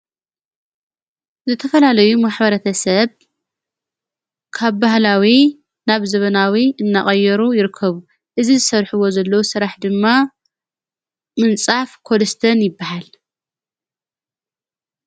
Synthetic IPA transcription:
zɨt̪ʰɐfɐlalɐjumaħbɐɾɐt̪ʰɐsɐβ | kʰaβbahlawi | naβzɐβɐnawiɨnːaχʼɐjːɛɾujɪɾɨkʰːɐβu | ʔɨzizɨsɐɾħuwo̞zɐlːɐwusɨɾaħd̪ɨmːa | mɨnt͡sʼafkʰo̞lɐst̪ʰɐnjɪbːahal

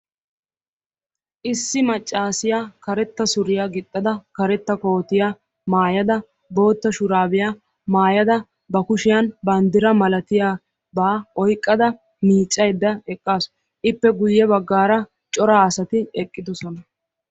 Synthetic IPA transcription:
ʔɪsːɪmɐt͡ʃʼːaːsɪjakɐɾɛt̪ːɐsʊɾɪjaɡɪt̪ʼːɐd̪ɐkɐɾɛt̪ːɐko̞ːt̪ɪja | maːjɐd̪ɐ | bo̞ːt̪ːɐʃʊɾaːbɪja | maːjɐd̪ɐ | bɐkʊʃɪjɐnbɐnd̪ɪɾɐmɐlɐt̪ɪjaː | baːɔjkʼːɐd̪ɐ | miːt͡ʃʼːɐjd̪ːɐɛkʼːaːsɔ̥ | ʔɪpːɛɡʊjːɛbɐɡːaːɾɐ | t͡ʃʼɔɾaːɐsɐt̪ɪɛkʼːɪd̪ɔsɔnɐ

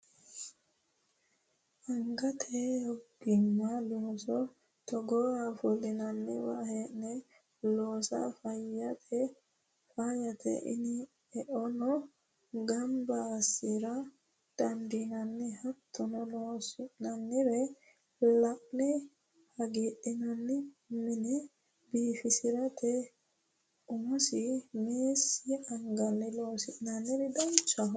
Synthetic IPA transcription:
ʔaŋɡat̪ʰɛjɔɡimːalɔsɔ | tɔɡɔafolinanːḭwa̰hɛnɛ | lɔsa̰fajatʰɛ | fajat̪ʰɛ̰ʔḭni | ɛʔɔnɔ | ɡambasiɾa | d̪̥ɐnd̪ɪnɐnːɛhɐt̪ʰːɔnɔnoːsɪʔnɐnːɪɾɛ | lɐʔnɛ | hɐɡeɗɪnɐnːɪ | mɪnɛ | biːfɪsɪɾɐt̪ʰɛ | ʊmɔsɪmeːsːɪɐŋɡɐnːɛloːsɪʔnɐnːɪɾɛd̪ɐnt͡ʃːɐɦ

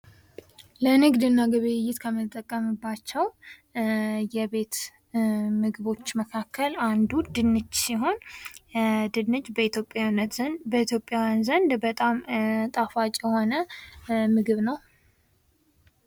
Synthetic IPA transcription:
ləɨnɨɡd̪ɨnːaɡəβɨjɪjːɪt̪kʰəmɨt̪ʼːəkʼːəmɨbːat͡ʃːɛw | jɛβe̞t̪ | mɨɡɨβo̞t͡ʃːməkʰakʰːəland̪ud̪ɨnːɨd͡ʒsiɦo̞n | d̪ɨnːɨd͡ʒbəit̪jopʼjawnːət̪bəit̪ʰjo̞pʼːjawjnzənd̪bət̪ʼamt̪ʼafat͡ʃʼjɛho̞nə | mɨɡɨβnəw

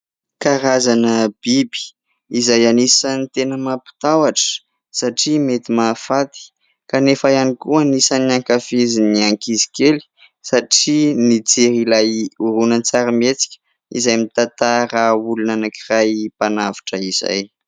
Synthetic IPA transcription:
kaɾazanəb̥ibi̥ | izajanisənt̪enəmapi̥t̪awaʈ͡ʂə̥ | saʈ͡ʂimet̪imafat̪i̥ | kanefajanikuanisaniaŋkafeziniaŋkizi̥keli̥ | saʈ͡ʂinid͡zeɾilajuɾunənt͡saɾamet͡si̥kʲə̥ | ḭzajmit̪at̪aɾaulunanakirajpanavḁʈ͡ʂəiz̥a̰j

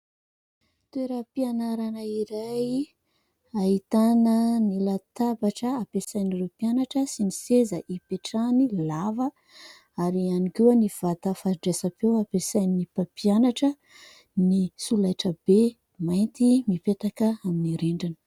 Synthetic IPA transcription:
t̪ueɾəpianaɾanəiɾaj | ait̪anənilat̪abaʈ͡ʂəapesajnirepianaʈ͡ʂəsinisezəʔipeʈ͡ʂanilavə | aɾianikuəniv̥at̪əfaɾiɖ͡ʐesapewapesajnipapianaʈ͡ʂə | nisulajʈ͡ʂəbe | majnt̪imipet̪akəaminiɾeɳɖ͡ʐanə̥

